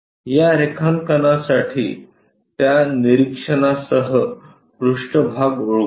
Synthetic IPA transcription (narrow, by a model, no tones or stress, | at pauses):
jaɾekʰamkənasaʈʰiː | t̪janiɾikʂəɳasəɦə | pɾuʂʈəbʱaɡuɭ